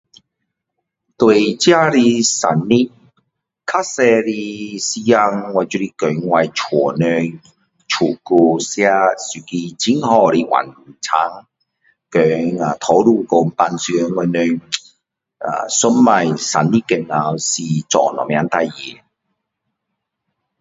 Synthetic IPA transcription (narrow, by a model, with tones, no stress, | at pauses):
t̪we˨˧jt͡ɕja˦˥ɾi˧sa̰˨˩nːi˦˥ | kʰa˦˥sɛ˧ɾi˧si˧ja˧ŋwa˧jt͡ʃy˧ɾi˧kœ˨˩ŋwa˧jt͡ʃʰwɔ˨˩nœ˧ŋ | t͡ʃʰu˨˩ku˧sja˧sy˨ki˧t͡ɕi˦˥ŋhɔ˧ɾi˧wa̰˨˩nlu˨˧˩t͡sʰa˧˥ŋ | kœ˨ŋa˨t̪ʰo˨˥wlu˧ko˧m˦pa˧nsy˧ŋwa˧jnø˧ŋ | a̰˧˨sʊ˦˥mːa˧jsa̰˨˩nːi˦kɛ˨˧ŋa˨˧wsi˨˧t͡sɔ̰ː˨˩nɔ̰˨˩mja˨˦nt̪a˧jjḭ˨˩˨